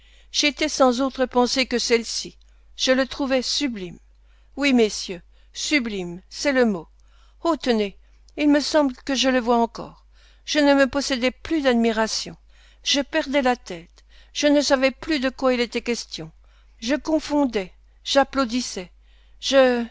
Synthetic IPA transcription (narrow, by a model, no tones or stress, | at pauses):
ʒ̥et̪ɛsɑ̃zot̪χəpɑ̃sekəsɛlsi | ʒ̥ələt̪χuvɛsyblim | wimesjø | syblimsɛləmo | ot̪əne | ilməsɑ̃blkəʒələvwaɑ̃kɔ̰ːʁ | ʒ̥ənəməpɔsɛd̪ɛplyd̪ad̪miʁasjɔ̰̃ | ʒ̥əpɛʁd̪ɛlat̪ɛt̪ | ʒ̥ənəsavɛplyd̪əkwailet̪ɛkʲɛst̪jɔ̃ | ʒəkɔ̃fɔ̃d̪ɛ | ʒ̥aplod̪isɛ | ʒə